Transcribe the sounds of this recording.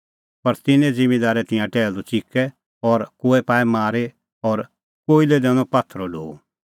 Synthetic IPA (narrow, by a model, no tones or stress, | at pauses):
pɐɾt̪ɪnẽd͡zɪ̃med̪aːɾɛt̪ɪ̃jãʈɛːld̪ut͡ʃɪkɛ | ɔːɾkoːɛpaːɛmaːɾe | ɔːɾ | koːiled̪ɛːñɔ̃pat̪ʰːɾɔlo̰ːu